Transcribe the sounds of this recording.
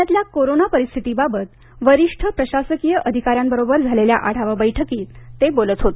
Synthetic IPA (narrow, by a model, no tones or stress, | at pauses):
at̪ljakoɾonapəɾist̪ʰit̪ibabət̪ | ʋəɾiʂʈʰəpɾəɕasəkijəʔəd̪ʱikaɾjambəɾobəɾd͡zʱalelja̰ʔaɽ̤aʋabəjʈʰəkiːt̪ːebolət̪ɦot̪